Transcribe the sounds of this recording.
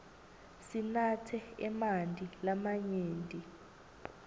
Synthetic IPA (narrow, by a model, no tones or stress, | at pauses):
sinatʰɛɛmantʼilamaɲeːntʼi